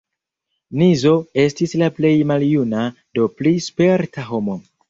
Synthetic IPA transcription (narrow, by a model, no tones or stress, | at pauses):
nizo̞e̞stislaple̞jmaljuna | do̞plispe̞ɾtʰaɦo̞mo̞